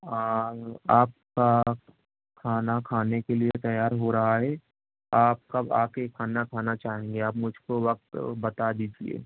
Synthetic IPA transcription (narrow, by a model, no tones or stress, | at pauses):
aaːp̚ka | kʰaːnakʰaːnekeliet̪ɐjaːɾɦoɾɐɦaɦɛ | aːp̚kɐba̰ːkekʰaːnakʰaːnat͡ʃaːɦẽːŋɡeaːpmʊd͡ʒʱkoʋɐk̚t̪bɐt̪ad̪iːd͡ʒiḛː